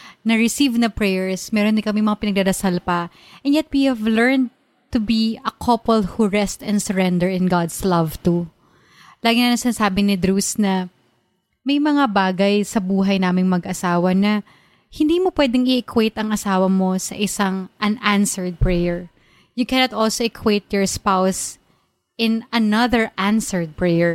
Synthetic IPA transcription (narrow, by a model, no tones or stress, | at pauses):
nɐɹɪsivnɐpɹɛjɛɹsmɛːɾond̪ɪŋkɐmɛŋmɐŋapɪnɐɡ̚d̪ad̪ɐsalpɐ | ʔɛ̃njɛt̪̚wihɛvlɛɹn̚ | t̪ʊbiɐkʰɐpɛlhuɹɛst̪ɛ̃nsɛɹɛnd̪ɛɹɪ̃nɡad̪slɐvt̪u | laːɡɪnanɐsɪnaːsaːbɪnɪd̪ɾusnɐ | mɐjmɐŋabaːɡɐjsɐbuːɦɐjnaːmɪŋmɐɡʔɐsaːwɐnɐ | hɪnd̪iːmopwɛd̪ɪŋɪʔɛkʰwejt̪ɐŋɐsaːwɐmo̞sɐ̰ʔɪsaŋʔɐnʔãnsɛɹd̪̚pɹɛjɛɹ | jʊkɛnot̪ʔolsoɛkʰwet̪̚jɔɹspaws | ʔɪ̃nɐnɐðəɹʔãnsɛɹd̪̚pɹɛjɛɹ